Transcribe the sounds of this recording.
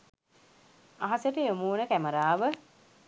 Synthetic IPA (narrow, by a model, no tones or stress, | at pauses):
aɦɐsəʈəjomuːnəkæməɾaːʋə